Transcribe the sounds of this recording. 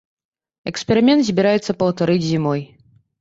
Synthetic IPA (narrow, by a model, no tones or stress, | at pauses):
ɛkspʲɛɾɨmʲɛnt̪zʲbʲiɾajɛt̪sːɐpɐwt̪aɾɨd͡zʲzʲimɔj